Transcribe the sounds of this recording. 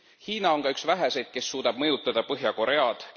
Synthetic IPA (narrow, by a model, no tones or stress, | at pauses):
hiːnɑo̞ŋkɑyksvæɦese̞jd̪̥̚ke̞sːuːd̪̥ɑb̥̚mɤjut̪ːˑɑd̪̥ɑpɤɦjɑko̞ɾe̞ɑd̪̥